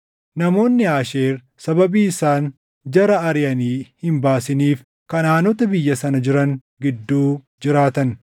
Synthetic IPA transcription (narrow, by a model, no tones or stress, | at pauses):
nɐmo̞ːnːɪaːʃeːɾ | sɐbɐbiːɪsaːn | d͡ʒɐɾɐɐɾɪjɐniːhɪmbaːsɪniːf | kɐnaːnɔt̪ɐbɪjːɐsɐnɐd͡ʒɪɾɐŋ | ɡɪd̪ːuː | d͡ʒɪɾaːt̪ɐn